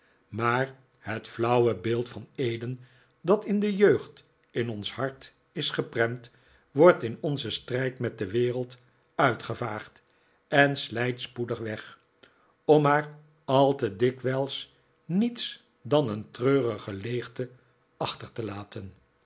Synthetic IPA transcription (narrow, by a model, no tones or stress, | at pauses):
maːɹ | ɦətflʌwəbɪːlˠtfɑnejdən | dɑtɪndəjøɥχt | ɪnɔnshɑɹt | ɪsχəprɛmt | ʋɔɹtɪnɔnzəstrɛjtmɛt̚dəʋɪːrəlˠt | œɥtχəvaːχt | ɛnslɛjtspudəχʋɛχ | ɔmaːɹ | ɑlˠtədɪkʋɛlˠs | nits | dɑnəntrøːrəχəlejχtə | ɑχtəɹtəlaːtʰən